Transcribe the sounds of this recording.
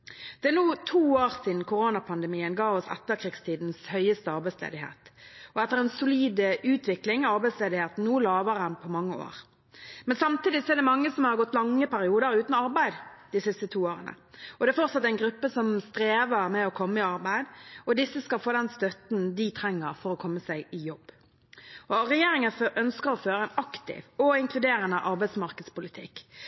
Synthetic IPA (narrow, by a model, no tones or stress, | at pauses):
d̪̥ɛæʁnuːt̪ʰuːoːʁsɪːd̪nkʰʊʁoːnɑpʰɑnd̪ɛmiːənɡɑːʋɔsɛ̰t̪ːəɾkʰʁiːɡst̪ʰiːd̪n̩shœʏəst̪əɑʁbæɪslḛːd̪ɪhḛːt̪ɔɛt̪ːəʁɛnsʊliːd̪əʔʉːt̪ʰʋɪklɪŋɑʁbæɪsleːd̪ɪheːt̪n̩nuːlɑːʋəʁənpʰɔmɑŋːəo̰ːʁ | mɛnsɑmt̪iːd̪ɪsɔɛʁd̪ɛmɑŋːəsɔmhɑʁɡɔt̪ːlɑŋːəpæɾɪuːd̪əɾʉːt̪n̩ɑɾbæɪd̪d̪ɪsɪst̪ət̪ʰuːoːɾə̰nə̰ | ɔd̪ɛæfɔʁt̪sɑt̪ːæɪnɡɾʉpːəsɔmst̪ɾeːʋəɾmɛɔkʰɔmːəɪɑɾbæɪd̪ɔd̪ɪsːəskɑlfoːd̪ɛnst̪œt̪nd̪ɪt̪ʰɾɛŋːəɾfɔɾɔkʰɔmːəsæɪɪjɔbː | ɔɾɛjeːɾɪŋənfʔœnskəɾɔføːɾəɛɪnɑkt̪ɪ̰ʋɔɪŋkʰlʉd̪eːɾənəʔɑɾbæɪd̪smɑʁkəd̪spʊlɪt̪ʰɪ̰kː